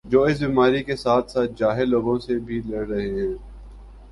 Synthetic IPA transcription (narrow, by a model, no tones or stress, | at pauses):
d͡ʒoːɪs̬biːmaːɾikesaːt̪ʰsaːt̪̚d͡ʒaːɦeloːɡõsebʱilɐɽɾɐɦeɦɛ̃ː